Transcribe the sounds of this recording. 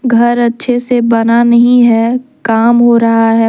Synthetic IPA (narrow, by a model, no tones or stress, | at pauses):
ɡʱɐɾɐtːʃʰesebɐnanɐɦĩɦɛkaːmɦoɾɐɦaɦɛ